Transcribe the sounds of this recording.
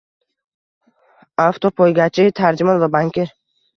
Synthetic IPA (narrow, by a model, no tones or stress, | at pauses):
aft̪ʰɔpʰɔjɡat͡ʃʰiit̪ʰaɾd͡ʒumɔnvabaŋkʲʰeɾ